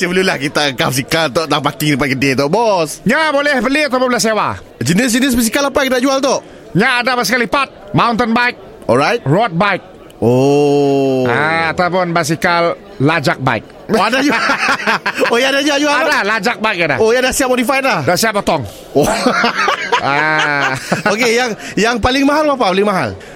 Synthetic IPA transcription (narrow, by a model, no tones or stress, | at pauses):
səbəlulahkit̪akəkap̚sikalt̪ɔʔt̪aŋpakiŋdəpakədet̪ɔʔbɔsɲabolɛhbəliat̪awpʊnbolɛs̬ewa̰ | d͡ʒənɪs̬d͡ʒənis̬bas̬ikalapakit̪aʔd͡ʒualt̪ɔʔ | ɲaːdabasikalipat̪̚maunt̪ənbaik̚ | ɔlɹajt̪̚rɔt̪̚bajk̚ | o | aat̪awpʊnbas̬ikalː | ad͡ʒak̚ba̰ḭk̚ | oadad͡ʒu | ojaadad͡ʒuaʔd͡ʒualadalad͡ʒak̚baik̚ada̰ojadasiap̚otifajt̪̚lahdasiap̚ːɔt̪ɔŋ | o | a | okejaŋjaŋpalɪŋmaɦalbap̬apalɪŋmaɦa̰l